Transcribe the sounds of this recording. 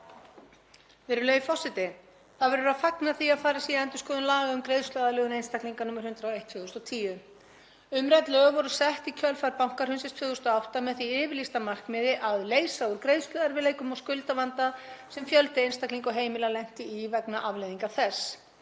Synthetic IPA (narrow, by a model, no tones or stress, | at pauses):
vɪɾʏlœːjfɔsːɪt̪ɪ | θaðvɛɾʏɾaðfaknaθiaðfaːɾɪsiaɛnt̪ʏskɔːðʏnlaːɣaʏmkɾejðst̪lœðalʏːɣʏnejnst̪akliŋkanuːmaɾ̥hʏnt̪ɾawejht̪fʏːɣʏst̪ɔt̪ʰiːjʏ | ʏmɾɛt̪lœɣʏvɔɾʏsɛht̪icʰœlfaɾpawŋ̥kaɾ̥hʏns̬ɛst̪fʏːɣʏst̪aɔawht̪amɛðθiɪːvɪɾlist̪amar̥kmɪːðɪʔaðleːjsauɾ̥kɾejðst̪lœːðaɾvɪleːjkʏmawskʏlt̪avant̪asɛmfjœlt̪ɪejnst̪akliŋkɔɦeːjmɪlalɛjm̥t̪ɪːvɛkna̰ʔavlejðiŋkaθɛs